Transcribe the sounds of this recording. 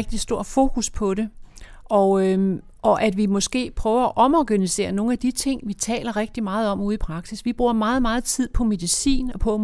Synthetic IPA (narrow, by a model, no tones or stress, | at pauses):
ɡ̥d̥isd̥o̝ɐ̰d̥fo̝ːkʰuspʰɒ̽ɾe̝ʔɒ | ʔɒ̽ʔæd̥ʋimɒ̽sɡ̥e̝̰ːpʰʁœːʊɐæʔɒ̽mɒɡ̥ænise̝̰ːɐno̝ːn̩æd̥it͡sʰe̝ŋ̰ʋit͡sʰɛ̰ːlɐʁɛɡ̥̚d̥imɑ̈ːð̞̩ˠɒ̽m̰uːðˠipʰʁɑ̈ɡ̥sisʋib̥ʁuːɐ̰mɑ̈ːð̩ˠmɑ̈ːð̞̩ˠt͡sʰið̞̰ˠpʰɒ̽me̝ðˠisḭːnɒ̽pʰɒ̽